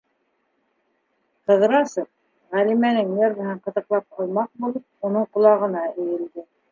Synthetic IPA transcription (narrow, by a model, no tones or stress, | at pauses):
qɤ̆ðɾɑsɤf̚ | ʁælimænɘŋneɾmɤ̆ɦɤɴqɤ̆t̪ɤ̆qlˠɑp̚qɑlˠmɑq̚bulˠɤp̚unɤɴqŏlˠɑʁɤ̆nɑɘ̆jɘ̆ld̪ɘ